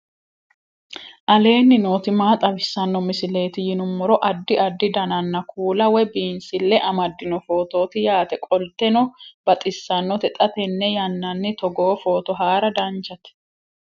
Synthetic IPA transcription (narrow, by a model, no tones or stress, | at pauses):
ʔɐle̞ːnːɪno̞ːt̪ɪmaːt̪ʼɐbɪsːɐnːɔmɪsɪle̞ːt̪ɪjɪnʊmːɔɾɔʔɐd̪ːɪɐd̪ːɪd̪ɐnɐnːɐkʰuːlɐwɛbiːnsɪlːɛʔɐmɐd̪ːɪnɔfo̞ːt̪o̞ːt̪ɪjaːt̪ɛkʼɔlt̪ɛnɔb̥ɐt̪ʼɪsːɐnːɔt̪ɛt̪ʼɐt̪ɛnːɛjɐnːɐnːɪt̪ɔɡo̞ːfo̞ːt̪ɔɦaːɾɐd̪ɐnt͡ʃɐt̪